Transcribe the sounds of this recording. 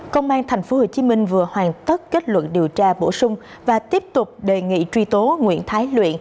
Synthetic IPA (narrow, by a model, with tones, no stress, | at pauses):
kə˧wŋ͡mʔaː˧nt̪ʰɛ˨˩jŋ̟fo˨˦ho˧˩t͡ɕi˨˦mï˧ŋ̟vɨ˨˩əhwaː˨˩nt̪ə˦˥t̚ke˦˥t̚lwə̰˧˨nɗi˨˩əwt͡ɕaː˧ɓo̰˧˩sʊ˧ŋ͡m | vaː˨˩t̪i˦˥əp̚t̪ʊ˨˩k͡p̚ɗe˨˩ŋḭ˧˨t͡ɕwi˧t̪o˨˦ŋwḭ˧ənt̪ʰaː˨˦jlwḭ˧˨ən